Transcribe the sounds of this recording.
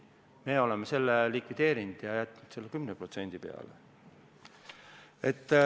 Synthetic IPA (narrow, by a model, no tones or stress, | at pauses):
me̞ːo̞lemese̞lːelikvid̪̥e̞ːɾind̪̥jɑjæt̪ːˑnud̪̥se̞lːekymnepro̞t̪se̞nʲd̪̥ipe̞̰ɑ̰lḛ | e̞t̪ː